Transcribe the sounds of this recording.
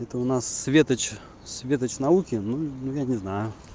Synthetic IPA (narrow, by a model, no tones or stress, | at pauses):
ɛt̪əʊnasːvʲet̪ət͡ɕ | sʲvʲe̞t̪ət͡ɕnɐukʲɪnunujanʲɪznajʊ